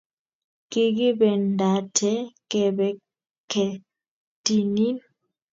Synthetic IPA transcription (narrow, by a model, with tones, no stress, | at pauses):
ki˦ɡi˦bɛ˨n˨da˨tʰɛ˦kɛ˨bɛ˨ | kʰɛ˨ | ti˨ni˦n